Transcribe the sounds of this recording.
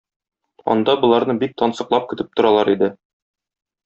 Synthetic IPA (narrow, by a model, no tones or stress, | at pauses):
ɒ̰nd̪ɑbŏlˠɑɾnɤbik̚t̪ɒnsɤ̆qlˠɑp̚kɵ̆t̪ɘp̚t̪ŏɾɑlˠɑɾid̪ɘ